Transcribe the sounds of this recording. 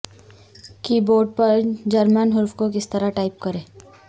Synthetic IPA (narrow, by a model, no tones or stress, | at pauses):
kiːboːɖ̚pɐɾd͡ʒɐɾmənɦʊɾfkok̬ɪst̪ɐɾaʈaːɪp̚kɐɾẽː